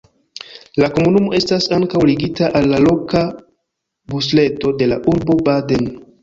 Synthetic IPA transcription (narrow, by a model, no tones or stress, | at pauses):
lako̞munumo̞e̞stasaŋkawliɡitaʔalːalo̞ka | busle̞to̞de̞laʔuɾbo̞bade̞n